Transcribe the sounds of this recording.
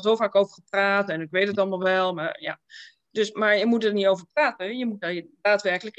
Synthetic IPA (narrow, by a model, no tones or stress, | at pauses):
lzowvaːkowvəɹχəpraːtɛnɪkʋejtətɑlˠmalˠʋɛlˠmaːɹja̰ː | dɵsmaːɹjəmut̚dəɹnitowvəɹpraːtəjəmut̚daɹdaːtʋɛrkələk